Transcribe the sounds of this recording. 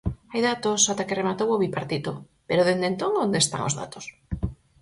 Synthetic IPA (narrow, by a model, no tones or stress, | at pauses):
ajðat̪osat̪akeremat̪owoβipaɾt̪it̪o | peɾoðend̪ent̪oŋond̪est̪a̰ŋo̰zða̰t̪o̥s